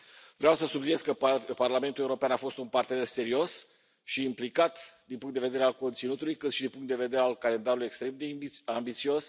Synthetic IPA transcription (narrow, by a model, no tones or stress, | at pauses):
vɾeawsəsublinjeskəparlame̞nt̪uleuɾo̞peanafo̞st̪unpart̪e̞ne̞rse̞ɾio̞s | ʃiːmplikat̪d̪inpuŋkt̪eve̞d̪eɾealko̞nt̪sinut̪ulujkɨt̪ʃid̪inpuŋkt̪d̪e̞ve̞d̪e̞ɾealkale̞nd̪aɾuluje̞kst̪ɾe̞md̪eambit̪sio̞s